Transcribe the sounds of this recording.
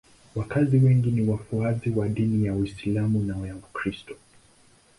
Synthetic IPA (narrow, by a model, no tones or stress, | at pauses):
wakaziwɛŋɡiniwafuaziwaɗinijawislamunaɔjaukɾistɔ̥